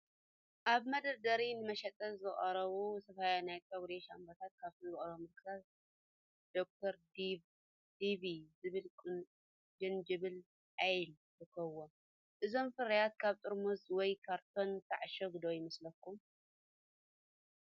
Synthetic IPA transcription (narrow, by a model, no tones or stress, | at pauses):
ʔaβmɐd̪ɐɾd̪ɐɾinɨmɐʃɐt̪ʼɐzɨχʼɐɾɐβusɐfajanajt̪ʰʼɐɡɾeʃambɐt̪ʰat̪̚kʰaβt̪ʰɨzɨχʼɐɾɐβmɨlkʰɨt̪ʰat | d̪̥ok̚t̪ʰɐɾ | d̪iβizɨβɨl | d͡ʒɨnd͡ʒɨβɨl | ʔajl | zɨkʰɐwo | ʔɨzo̞mfɨɾɐjat̪̚kʰaβt̪ʼɨɾmuzwɔjkʰaɾt̪ʰo̞nt̪ʰɐʕaʃɐɡɨd̪ojɪmɐslɐkːum